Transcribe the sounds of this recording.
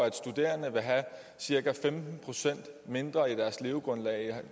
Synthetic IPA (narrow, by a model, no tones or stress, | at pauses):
æd̥sd̥ud̥e̝̰ːɐnəʋe̝ɦæ | siɐɡ̥æfemd̥n̩pʰʁo̝sen̰d̥me̝nd̥ʁɐid̥æɐsle̝ʊɡ̥ʁɔ̽nlɛ̰ː